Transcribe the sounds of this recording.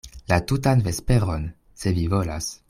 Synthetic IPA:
latutanve̞spe̞ɾo̞n | se̞vivo̞la̰s

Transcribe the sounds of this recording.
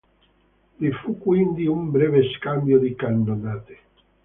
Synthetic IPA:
lifukːwind̪iumbɾɛveskambjod̪ikand̪onaːt̪e̥

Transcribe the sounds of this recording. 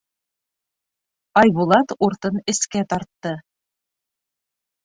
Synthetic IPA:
ɑjβulˠɑt̪uɾt̪ɤnɘ̆skæt̪ɑɾt̪ːɤ

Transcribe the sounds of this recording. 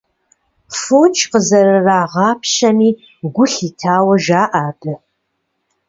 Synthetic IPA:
foːt͡ʃʰʼqəzɐɾɨraːʁɑːpʰɕɐmiː | ɡʷʊɬiːtʰaːwɐʒaːʔaːbɐ

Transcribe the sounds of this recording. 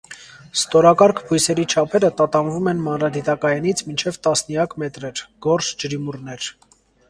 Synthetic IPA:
st̪ɔɾɑkɑɾkʰpʰujsɛɾit͡ʃʰɑpʰɛɾət̪ɑt̪ɑnvumɛnmɑnɾɑd̪it̪ɑkɑjɑnit͡sʰmint͡ʃʰɛvt̪ɑsnjɑkmɛt̪ɾɛɾɡ̥ɔɾsd͡ʒəɾimurnɛɾ

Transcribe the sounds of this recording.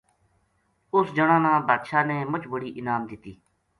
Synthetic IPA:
ʊsd͡ʒəɽ̃ãːnãːbaːt̪ʃaːneːmʊt͡ʃbəɽiːʔɪnaːmd̪ɪt̪ːiː

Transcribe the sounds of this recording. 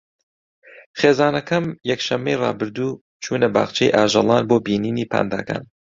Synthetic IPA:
χeːzaːnɐkʰɐmjɛkʃɐmːejrɑ̰ːbɨɾd̪uː | t͡ʃʰuːnɐba̰ːχt͡ʃʰejʔaːʒɐlˠɑːnboːbiːniːniːpʰa̰ːnd̪aːka̰ːn

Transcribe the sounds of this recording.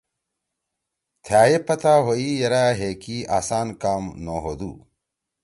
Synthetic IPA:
t̪ʰjaːjepɐt̪aːɦoiːjɐɾaːɦeːkiaːsaːnkaːmnoːɦod̪ṵː

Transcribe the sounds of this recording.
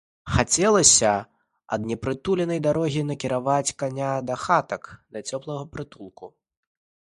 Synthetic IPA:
xat͡sʲɛlˠɐsʲɐ | ɐd̪nʲɛpɾɨt̪ulʲɛnɐjd̪aɾɔɣʲinɐkʲiɾavat͡sʲkanʲad̪ɐxat̪ɐkd̪ɐt͡sʲɔplˠɐɣɐpɾɨt̪ulˠku

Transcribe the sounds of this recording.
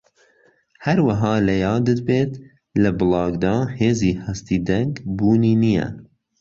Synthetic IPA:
hæɾwɐɦɑːlɐjɑːd̪ɨd̪̚beːt̪ | lɐbɨlɑːɡd̪ɑːheːziːhɛst̪iːd̪ɛŋɡbuːniːnijɛ̰

